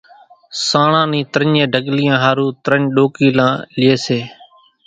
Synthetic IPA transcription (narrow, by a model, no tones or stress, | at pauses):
sãːɳãːnĩːt̪ɾəɲẽːɖʱəɠlɪjãːɦaːɾuːt̪ɾəɲɗoːkiːlãːlɪjeːseː